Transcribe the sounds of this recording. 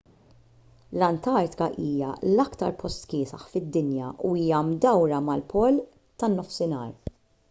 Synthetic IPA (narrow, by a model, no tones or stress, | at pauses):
lɐnt̪ɐɾt̪ɪ̥kɐʔiːjɐ̰lɐkt̪ɐ̰ɾpʰɔst̪kɪːsɐ̰ħfɪd̪ːɪnjɐʔuiːjɐmd̪ɐwɾɐmɐlpʰɔːl | t̪ɐnːɔfsɪnɐːɾ